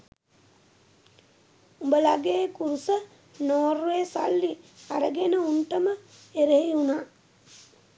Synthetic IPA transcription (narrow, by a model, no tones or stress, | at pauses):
umbəlaɡeːkuɾusə | noːruʋeːsa̰lːiaɾəɡenəunʈəməeɾeɦiunaː